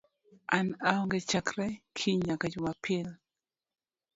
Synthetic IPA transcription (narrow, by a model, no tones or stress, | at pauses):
ʔanaɔŋɡɛt͡ʃakɾɛkʰiɲakad͡ʒʊmapʰɪl